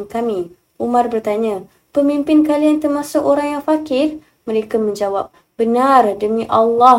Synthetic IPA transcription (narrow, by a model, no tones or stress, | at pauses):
kamĩ | ʔumãrbərt̪aɲã | pəmimpɪnkaliant̪ərmasʊkoɾaŋjaŋfakɪr | məɾekamə̃ɲd͡ʒawap̚ | b̥ənardəmĩʔalːɔ